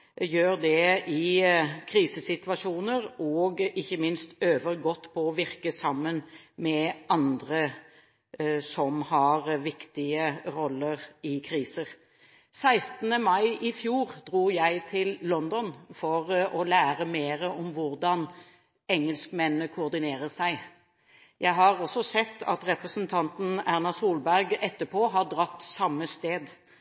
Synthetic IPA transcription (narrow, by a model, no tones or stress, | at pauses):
jøːʁd̪ɛʔɪkʰɾiːsəsɪt̪ʋɑʂuːnəɾɔɡɪçːəmɪnst̪øːʋəɾɡɔt̪ːpʰɔɔʋɪʁkəsɑmːənmɛɑnd̪ɾə | sɔmhɑɾʋɪkt̪ɪəɾɔlːəʁɪkʰɾiːsəɾ | sæɪst̪nəmɑɪʔɪfjuːɾd̪̥ɾuːjæɪt̪ʰɪlːɔnd̪ɔnfɔɾɔlæːɾəmeːɾəʔɔmʋʊɾd̪ɑn | ɛŋːəlskmɛnːəkʰʊːɾd̪ɪneːɾəsæɪ | jæɪɦɑɾɔsːɔsɛt̪ːɑ̰t̪ɾɛpɾəsənt̪ʰɑnt̪n̩æʁnɑsuːlbæɾɡɛt̪ːəpʰoːɦɑʁd̪ɾɑt̪ːsɑmːəst̪eːd̪